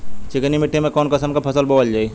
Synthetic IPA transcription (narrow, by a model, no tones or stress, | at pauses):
t͡ʃikənimiʈʰːimẽkɔːnkəsəmkapʰəsəlboʋəld͡ʒaːi